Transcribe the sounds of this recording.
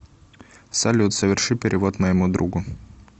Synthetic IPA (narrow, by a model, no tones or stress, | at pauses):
salʲut̪səvʲɪrʂɨpʲɪɾʲʔʲɪvo̞t̪məjɪmud̪ɾʔuɡʊ